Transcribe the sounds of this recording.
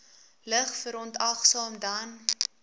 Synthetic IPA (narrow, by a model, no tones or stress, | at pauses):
ləχfəɾɔntɐχsɑːmdɐn